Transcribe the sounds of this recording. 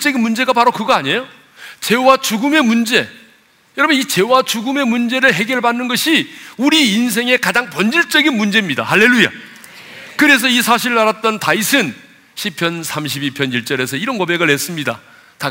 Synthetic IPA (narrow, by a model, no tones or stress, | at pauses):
t͡ɕ͈ʌɡinmund͡ʑe̞ɡapaɾokɯɡʌaɲe̞jo | t͡ɕe̞wat͡ɕuɡɯme̞mund͡ʑe̞ | jʌɾʌbjʌnit͡ɕe̞wat͡ɕuɡɯme̞mund͡ʑe̞ɾɯɭɦe̞ɡjʌɭbanːɯnɡʌɕʰiuɾiːns̬ʰe̞ŋe̞kad͡ʑaŋpʌnd͡ʑiɭt͡ɕ͈ʌɡinmund͡ʑe̞mɲida̰haɭːe̞ɭːuja̰ | kɯɾe̞s̬ʰʌisʰaɕ̬ʰiɾɯɾaɾat̚t͈ʌntaisʰɯn | ɕʰipʰjʌnsʰamɕ̬ʰibipʰjʌniɭt͡ɕ͈ʌɾe̞s̬ʰʌiɾʌnkʌbe̞ɡɯɭɦe̞s͈ɯmɲida̰ | ta